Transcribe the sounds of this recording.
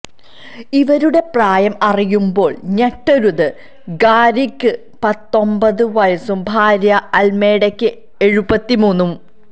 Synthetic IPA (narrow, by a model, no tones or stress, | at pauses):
iʋɐɾuɽe̞praːjɐmɐrijumbo̞ːɭɲeʈːoɾuðɨ | ɡaːɾikːɨ | pɐt̪ːo̞mbɐðɨʋɐjɐsumbʱaːɾjɐɐlme̞ːɽɐkʲːɨ | e̞ɻubɐt̪ːimuːnːum